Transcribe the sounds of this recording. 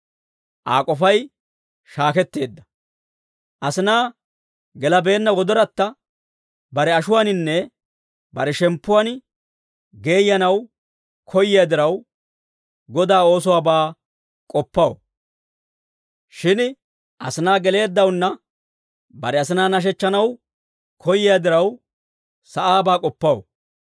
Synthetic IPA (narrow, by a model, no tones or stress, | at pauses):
ʔaːkʼɔfɐj | ʃaːkɛt̪ːe̞ːd̪ːɐ̥ | ʔɐsɪnaː | ɡɛlɐbe̞ːnːɐwɔd̪ɔɾɐt̪ːɐ | bɐɾɛɐʃʊwanɪnːɛ | bɐɾɛʃɛmpːʊwan | ɡe̞ːjːɐnɐw | kʰɔjɪjɐd̪ɪɾɐw | ɡɔd̪aːo̞ːsɔwaːbaː | kʼɔpːɐwo | ʃɪn | ʔɐ̰sɪnaːɡɛle̞ːd̪ːɐwnːɐ | bɐ̰ɾɛɐs̬ɪnaːnɐʃ̬ɛt͡ʃːɐnɐw | kʰɔjɪjad̪ɪɾɐw | sɐʔaːbaːkʼɔpːɐwo̰